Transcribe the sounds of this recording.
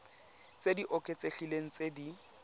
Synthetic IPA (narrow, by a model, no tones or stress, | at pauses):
t͡sediʔɔkʼet͡seɬileŋ̩t͡sedi